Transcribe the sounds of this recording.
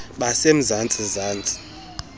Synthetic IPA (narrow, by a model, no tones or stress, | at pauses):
ɓasem̩zant͡sʼizaːnt͡sʼi̥